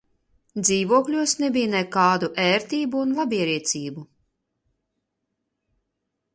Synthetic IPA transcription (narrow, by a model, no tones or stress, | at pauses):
d̪ziːvuɔklʲuɔsnebijnɛkaːd̪uʔɛːɾt̪iːbuːnlˠabʲiɛɾiɛt̪siːbu